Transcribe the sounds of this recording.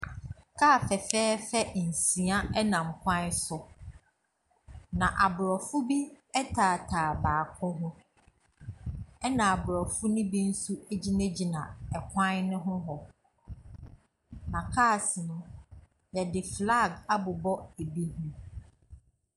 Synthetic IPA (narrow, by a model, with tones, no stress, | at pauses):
kʰaː˦˨fɛ˨fɛː˦fɛ˦˨n̩˨sĩ˨a˦ɛ˦nã˨m̩˨kʷʰã˦sʊ˨ | nã˨ʔa˨bʊ˨ɾɔ˨fʊ˦bi˦ | ɛ˦tʰa˨tʰaː˨baː˨kʰʊ̃˦ɦʊ̃˦ | ɛ˦nã˨a˨bʊ˨ɾɔ˨fʊ˦nʊ̃˦bi˦n̩˦su˦e˦d͡ʑi˦nẽ˦d͡ʑi˨nã˨ɛ˨kʷʰã˦nnʊ̃˦ɦʊ̃˦ɦɔ˨ | nã˨kʰaː˦˨sɪ˨nʊ̃˦ | jɛ˨dɪ˨fla˦˨ɡa˦bʊ˨bɔ˦e˨bi˦ɦũ˦